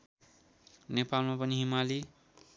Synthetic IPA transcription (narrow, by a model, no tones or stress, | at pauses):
nepalmapʌniɦimali